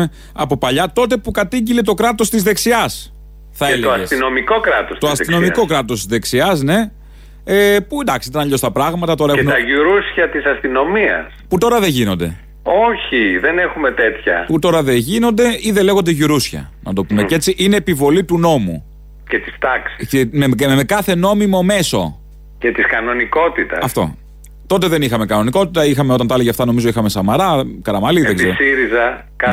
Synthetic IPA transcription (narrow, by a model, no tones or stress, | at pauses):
ɐpo̞pɐʎɐt̪o̞t̪e̞pukɐt̪iɟilet̪o̞kɾɐt̪o̞st̪izðe̞ksiɐs | θɐeleoɐssino̞miko̞kɾɐt̪ost̪oɐsino̞mmiko̞kɾɐt̪o̞st̪izðe̞ksiɐzne̞ | epuend̪ɐksit̪ɐnɐʎo̞st̪ɐpɾɐɣmɐt̪ɐt̪o̞ɾɐeeunɐʝuɾusçɐt̪isɐst̪ino̞miɐ̰sput̪o̞ɾɐðe̞ʝino̞nd̪e̞̰ | oçiðene̞xume̞t̪e̞t̪çɐ̰put̪o̞ɾɐðeʝino̞nd̪e̞iðe̞le̞ɣond̪eʝuɾusçɐ̰nɐ̰t̪o̞pumecet͡siʔineːpivo̞lit̪uno̞mṵ | cet̪i̥st̪ɐksi̥cemmekɐθe̞no̞mimo̞me̞so̞̰ | ce̞t̪iskɐno̞niko̞t̪it̪ɐ̰ɐsft̪o̞̰ | t̪o̞t̪e̞ðe̞nixɐme̞kɐno̞niko̞t̪it̪ɐixɐmeot̪ɐnt̪ɐliʝeɐft̪ɐno̞mizo̞ixɐme̞sɐmɐɾɐkɐɾɐmɐliðezeɾosiɾizɐ | kɐ